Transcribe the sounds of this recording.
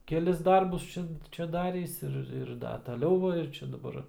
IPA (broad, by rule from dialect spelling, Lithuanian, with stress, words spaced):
kʲɛˈlʲɪs ˈdɐrbʊs ˈt͡ʃʲɛ ˈt͡ʃʲɛ ˈdɑːrʲiːs ˈɪr ɪr ˈdɐ tɐˈlʲɛʊ ʋɐ ɪr ˈt͡ʃʲɛ dɐˈbɐr